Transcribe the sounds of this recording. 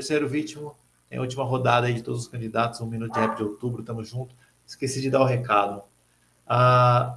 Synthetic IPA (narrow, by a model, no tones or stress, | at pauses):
t̪eɾsejɾʊvit͡ʃimʊ̃ | t̪ḛ̃j̃ʔɐut͡ʃimɐɦod̪ad̪ɐaid͡ʒɪt̪od̪ʊzʊskɐ̃d͡ʒid̪at̪ʊzũminut̪ʊd͡ʒɪhɛpd͡ʒɪowt̪ubɾʊt̪ɐ̃mʊzʒũt̪ʊ̥ | ɪskesid͡ʒɪd̪aʊɦekad̪ʊ | a